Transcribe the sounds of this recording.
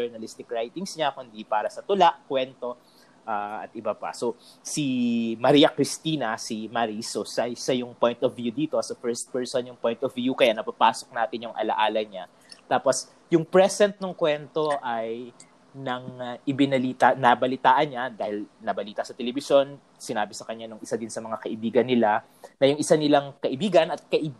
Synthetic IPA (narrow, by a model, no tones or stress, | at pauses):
ɛɹnɐlist̪ɪkɹajt̪ɪŋsɲakʊnd̪ipaːɾɐsɐt̪ʊlaʔkwɛnt̪o̞ | ʔaːɐ̰t̪̚ʔɪbapɐ̰so̞simɐɾiːɐkɾɪst̪iːnɐsimɐɾisosɐsɐjʊŋpo̞jnt̪ɔvjud̪iːt̪osɐpɛɹst̪̚pɛɹsonjʊŋpojnt̪ɔvjukɐjanɐpapaːsok̚naːt̪ɪnjʊŋʔɐ̰lɐ̰ʔaːlɐɲa | t̪aːpo̞s | jʊŋpɹɛsɛnt̪̚nɐŋkwɛnt̪o̞ʔɐj | nɐŋʔɪbɪnɐliːt̪ɐnabɐlɪt̪aːʔɐnɲad̪aːhɪlnɐbɐliːt̪ɐsɐt̪ɛlɛbɪsjo̞n | sɪnaːbɪsɐkɐɲanʊŋʔɪsad̪ɪnsɐmɐŋakɐʔɪbiːɡɐnːɪla | nɐjʊŋʔɪsanɪlaŋkɐʔɪbiːɡɐnɐt̪̚kɐʔɪ